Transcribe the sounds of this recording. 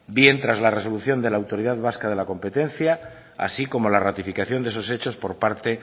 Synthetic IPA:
bje̞nt̪ɾazlare̞so̞luθjo̞nd̪e̞laːwt̪o̞ɾiðaðβaskað̞e̞lako̞mpe̞t̪e̞nθja | a̰siko̞mo̞larat̪ifikaθjo̞nd̪eeso̞se̞t͡ʃo̞spo̞ɾpaɾt̪e̞

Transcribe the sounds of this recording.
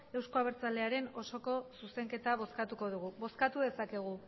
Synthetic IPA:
e̞wskoaβeɾt͡sale̞aɾe̞no̞so̞ko̞suse̞ŋke̞t̪aβ̞o̞skat̪uko̞ðuɣuβo̞skat̪uðe̞sake̞ɣ̞u

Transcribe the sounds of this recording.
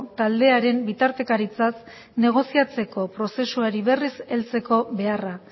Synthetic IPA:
t̪ald̪e̞aɾe̞mbit̪aɾt̪e̞kaɾit͡sas | ne̞ɣ̞o̞siat͡se̞ko̞pɾo̞se̞suaɾiβe̞rise̞lt͡se̞ko̞βe̞ara

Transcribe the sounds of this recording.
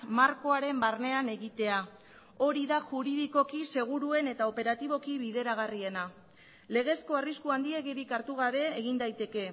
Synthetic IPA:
maɾko̞aɾe̞mbarne̞ane̞ɣit̪e̞a | o̞ɾiðaʝuɾiðiko̞kise̞ɣ̞uɾue̞ne̞t̪ao̞pe̞ɾat̪iβ̞o̞kiβiðe̞ɾaɣ̞arie̞na | le̞ɣ̞e̞skoariskuand̪ie̞ɣiɾikaɾt̪uɣ̞aβe̞ːɣ̞ind̪ajt̪e̞ke̞

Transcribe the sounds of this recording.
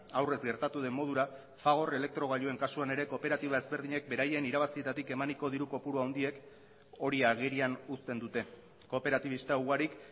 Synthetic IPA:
awre̞zɡe̞ɾt̪at̪uð̞e̞mːo̞ðuɾa | faɣ̞o̞re̞le̞k̚t̪ɾo̞ɣ̞aʎue̞ŋkasuane̞ɾe̞ko̞pe̞ɾat̪iβae̞zbe̞ɾðiɲe̞k̚be̞ɾaje̞niɾaβasie̞t̪at̪ike̞maniko̞ðiɾuko̞puɾuawnd̪ie̞k | o̞ɾiaɣiɾianust̪e̞nd̪ut̪e̞ | ko̞pe̞ɾat̪iβ̞ist̪auɣaɾik

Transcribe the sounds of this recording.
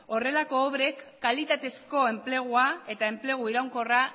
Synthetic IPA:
o̞re̞lako̞ːβɾe̞kːalit̪at̪e̞sko̞e̞mple̞ɣ̞uae̞t̪ae̞mple̞ɣ̞uiɾawŋko̞ra

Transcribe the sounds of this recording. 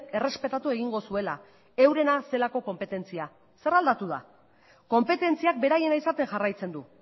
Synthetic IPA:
e̞re̞spe̞t̪at̪ue̞ɣ̞iŋɡo̞sue̞la | e̞wɾe̞nase̞lako̞ko̞mpe̞t̪e̞nt͡sia | se̞ɾald̪at̪uð̞a̰ | ko̞mpe̞t̪e̞nt͡siak̚be̞ɾaje̞naisat̪e̞ŋʝarajt͡se̞nd̪u

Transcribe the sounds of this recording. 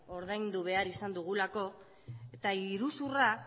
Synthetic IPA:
o̞ɾðajnd̪uβ̞e̞aɾisand̪uɣ̞ulako̞ | et̪aiɾusura

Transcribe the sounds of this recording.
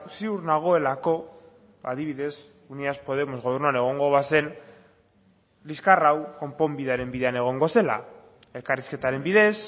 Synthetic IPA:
siuɾnaɣ̞o̞e̞lako̞ | aðiβ̞iðe̞s | uniaspo̞ð̞e̞mo̞zɣo̞β̞e̞ɾnuane̞ɣ̞o̞ŋɡo̞βase̞n | liskarawko̞mpo̞mbiðaɾe̞mbiðeane̞ɣ̞o̞ŋɡo̞se̞la̰ | e̞lkariske̞t̪aɾe̞mbiðe̞s

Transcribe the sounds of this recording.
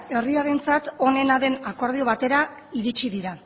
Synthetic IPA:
e̞riaɾe̞nt͡sat̪o̞ne̞naðe̞nako̞ɾð̞io̞β̞at̪e̞ɾa | iɾit͡ʃiðiɾa

